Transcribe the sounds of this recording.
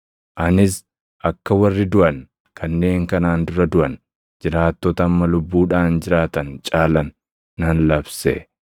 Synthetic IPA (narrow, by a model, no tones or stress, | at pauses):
ʔɐnɪs | ʔɐkːɐwɐrːɪd̪ʊʔɐn | kʰɐnːe̞ːŋkɐnaːnd̪ʊɾɐd̪ʊʔɐn | d͡ʒɪɾaːt̪ːɔt̪ɐːmːɐlʊbːuːᶑaːnd͡ʒɪɾaːt̪ɐnt͡ʃʼaːlɐnː | ɐnlɐbsɛ̰